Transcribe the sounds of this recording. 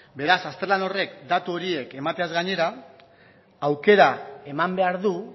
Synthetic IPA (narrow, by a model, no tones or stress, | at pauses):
be̞ɾasast̪ɾelano̞re̞kd̪at̪uo̞ɾie̞ke̞mat̪e̞azɣaɲe̞ɾa | wke̞ɾae̞mambe̞aɾðu